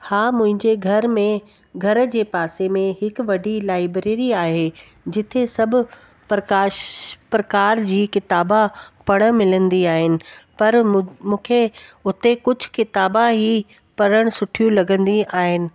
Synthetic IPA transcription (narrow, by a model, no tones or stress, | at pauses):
haːmʊ̃ɦɪ̃ɲd͡ʑeɡʱɐɾmẽ | ɡʱɐɾd͡ʑeːpaːsemẽɦɪkʋɐɖʱilaːɪbɾeːɾiaːɦeː | d͡ʑɪt̪ʰesɐbʱʊ̆ | pɾɐkaːʃpɾɐkaːɾd͡ʑiːkɪt̪aːbapɐɽ̃ə̆mɪlə̃nd̪iaːɦɪnɪ̆pɐɾmũːkʰeʊt̪ekʊd͡ʑʱʊ̥̆kɪt̪aːbaɦi | pɐɽəɽ̃sʊʈʰijũlɐɡə̃nd̪iaːɦɪnɪ̆